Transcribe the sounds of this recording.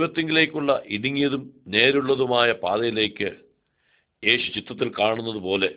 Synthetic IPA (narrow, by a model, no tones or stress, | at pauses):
ʋɐt̪ːeŋɡile̞ːkʲːuɭːɐʔiɽiŋːijɐðumne̞ːɾuɭːɐðumaːjɐpaːðɐjile̞ːkːɨ | e̞ːɕut͡ɕit̪ːɐt̪ːilkaːɳunːɐðupo̞ːle̞